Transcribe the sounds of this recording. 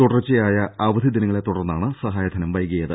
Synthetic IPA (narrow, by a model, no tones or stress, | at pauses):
t̪uɽɐrt͡ɕːijaːjɐɐʋɐd̪ʱid̪inɐŋːɐɭe̞t̪ːuɽɐrnːaːɳɨsɐɦaːjɐd̪ʰʱɐnɐmʋɐjɣijɐðɨ̰